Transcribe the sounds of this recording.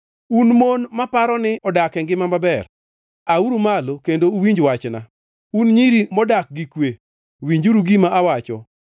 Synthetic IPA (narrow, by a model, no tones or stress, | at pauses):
unmonmapaɾɔnɪʔɔdakɛŋɡɪmamabɛr | auɾumalokendouwiɲd͡ʒwat͡ʃna̰ | unɲiɾimɔdak̚ɡikwe | wiɲd͡ʒuɾuɡimaʔawat͡ʃɔ